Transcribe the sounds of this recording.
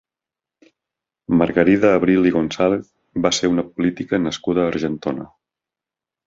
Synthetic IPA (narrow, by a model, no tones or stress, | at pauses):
məɾɣəɾiðəːβ̞ɾiliɣonsaleθ | baseɾunəpulit̪ikənəskuð̞əːɾʒənt̪onə̰